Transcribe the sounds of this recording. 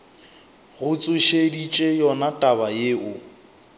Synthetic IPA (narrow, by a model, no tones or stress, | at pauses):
ɣʊt͡sʼʊʃedit͡ʃʼejɔnatʼabajeːʊ